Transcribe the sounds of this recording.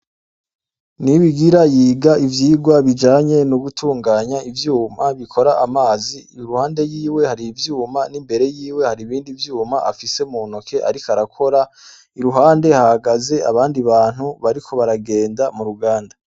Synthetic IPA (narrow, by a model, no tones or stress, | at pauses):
niβiɡiɾajiːɡaivjiːɡwaβid͡ʒaːɲe̞nuɡutʰuːŋɡaːɲaivjuːmaβikʰo̞ɾaʔamaːzi | iɾuhaːnde̞jiːwe̞haɾivjuːmanimbe̞ɾe̞jiːwe̞haɾiβiːndivjuːmaʔafise̞munokʰe̞ʔaɾikaɾakʰo̞ɾa | iɾuɦaːnde̞hahaɡaze̞aβaːndiβaːn̥huβaɾikʰo̞βaɾaɡe̞ːndamuɾuɡaːnda